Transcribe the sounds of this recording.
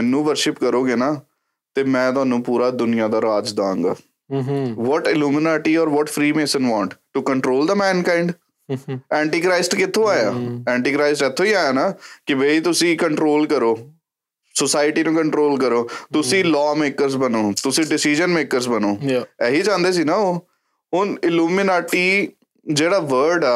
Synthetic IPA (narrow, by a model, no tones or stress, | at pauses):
mɛnːũːʋəɾʃɪpkəɾoːɡeːnaː | t̪eːmɛ̃ːt̪ʊɦaːnũːpuːɾaːd̪ʊnɪjãːd̪aːɾaːd͡ʒd̪ãːŋɡa̰ː | ʋɔːʈɪluːmɪnaːʈiːɔːɾʋɔːʈpʰɾiːmeːsənʋãːɳʈʈukəɳʈɾoːld̪əmɛːnkãːɪɳɖ | ɛ̃ːɳʈiːkɾaɪsʈkɪt̪ʰːõːaːjaːɛ̃ːɳʈiːkɾaːɪsʈɛt̪ʰːõːiːaːjaːnaːkɪbeit̪ʊsĩːkəɳʈɾoːlkəɾoː | sosaːɪʈiːnũːkəɳʈɾoːlkəɾoːt̪ʊsĩːlɔːmeːkəɾzbənoːt̪ʊsĩːɖɪsiːd͡ʒənmeːkəɾzbənoːɛːɦiːd͡ʒãːnd̪eːsiːnaːoː | ɦʊnɪluːmɪnaːʈiː | d͡ʒeːɽaːʋəɾɖaː